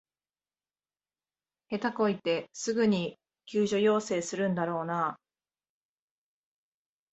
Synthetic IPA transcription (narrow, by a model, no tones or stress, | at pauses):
he̞t̪ako̞it̪e̞sɨɡɯ̟ɲ̟i | kʲɨːʑo̞jo̞ːse̞ːsɨɾɯ̟̃nd̪aɾo̞ːnaː